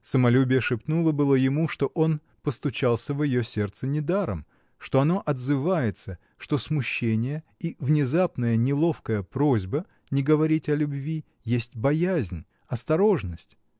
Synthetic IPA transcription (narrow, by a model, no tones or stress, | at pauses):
səmɐlʲubʲɪjəʂɨpt̪nulˠəbɨlˠəjɪmuʂt̪o̞ʔon | pəst̪ʊt͡ɕalˠsʲəvjɪjo̞sʲe̞rt̪sənʲɪd̪aɾə̰m | ʂt̪o̞ɐno̞ʔɐd̪zɨvajɪt̪sə | ʂt̪o̞smʊɕːenʲɪjə | ivnʲɪzapnəjənʲɪlˠo̞fkəjəpɾozʲbə | nʲɪɡəvɐɾʲitʲɐlʲʊbvʲi | jesʲtʲbɐjæzʲnʲ | ɐst̪ɐɾo̞ʐnəsʲtʲ